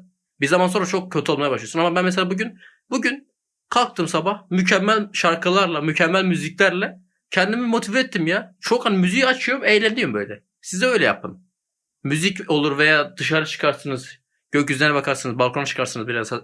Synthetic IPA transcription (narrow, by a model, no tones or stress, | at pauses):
biɾzamanso̞nɾat͡ʃʰo̞k̚cʰːø̞t̪ʰo̞lˠmajabaʃlˠɯjosunamabænmɛs̬elʲaːbuɟyn | buɟyn | kʰalˠk̚t̪ʰɯːmsabahmycʰɛmːælʲʃaɾkʰɯlˠaɾlˠamycʰɛmːælʲmyziclʲæɾlʲɛ | cʰɛnd̪imimo̞t̪ʰivɛːt̪ʰːimjat͡ʃʰo̞khanimyzijat͡ʃʰɯjoɾmejlʲæniombø̞jlʲɛ | sizɛø̞jlʲɛja̰p̚t̪ɯmː | yzico̞lˠuɾvejaːd̪ɯʃaɾɯt͡ʃʰɯ̥kʰaɾsɯnɯz | ɟ̥øcyzlʲenɛbakʰaɾsɯnɯzbalˠkʰɾnt͡ʃʰɯ̥kʰaɾsɯnɯzbiɾɛms